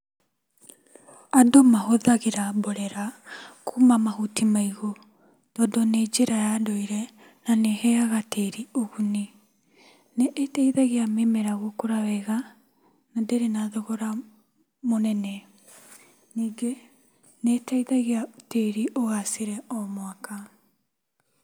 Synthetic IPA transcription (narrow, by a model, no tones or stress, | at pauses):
adomahoðaɣeɾabɔɾɛɾakʰumamaɦutimaiɣo | d̥ɔdɔned͡ʒeɾajadɔiɾɛ | nanehɛaɣateɾioɣuni | neʔːtaiðaɣeamemeɾaɣokoɾawɛɣa | nadeɾenaðɔɣɔɾa | monɛnɛ | niːɡe | netaiðaɣeateɾiʔoɣaseɾɛɔmwaka